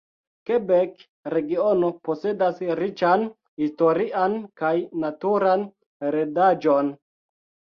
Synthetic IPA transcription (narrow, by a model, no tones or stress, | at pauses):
kebek | ɾe̞ɡio̞nopo̞se̞dasɾit͡ʃan | histo̞ɾiʔankajnatuɾan | ɾedad͡ʒo̞n